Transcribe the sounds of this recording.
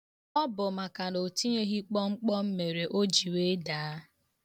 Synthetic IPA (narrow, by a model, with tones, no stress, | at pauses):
ɔ˦bʊ˨ma˨ka˨no˨ti˦ɲe˦ɦi˦k͡pɔ˦ŋ͡m̩˦k͡pɔ˦m̩˦me˨ɾe˨ʔo˦d͡ʒi˨we˦da˨˦a˦